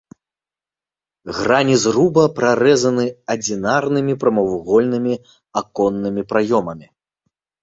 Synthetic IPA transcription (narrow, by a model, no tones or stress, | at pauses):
ɣranʲizrubɐpɾaɾɛzɐnɨɐd͡zʲinarnɨmʲipɾɐmɐwɣɔlʲnɨmʲi | akɔnːɨmʲipɾajɔmɐmʲi